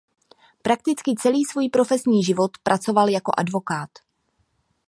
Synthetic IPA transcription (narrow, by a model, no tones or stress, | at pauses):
pɾak̚t̪ɪt͡skɪt͡sɛliːsvuːjpɾo̞fɛsɲiːʒɪvo̞t̪pɾʔat͡so̞valjako̞̰ʔadvo̞kaːt̪